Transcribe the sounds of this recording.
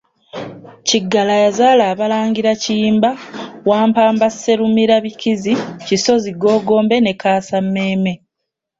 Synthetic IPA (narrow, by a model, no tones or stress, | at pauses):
ciɡːalajazaːlaːβalaːŋɡiɾaciːmbawaːmpaːmbasːe̞ɾumiɾaβikiziciso̞ziɡo̞ːɡo̞ːmbe̞ne̞kaːsamːe̞ːme̞